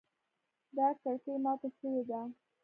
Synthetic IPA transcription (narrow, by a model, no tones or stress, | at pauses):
d̪ɑkaɽkemɑt̪asəwed̪a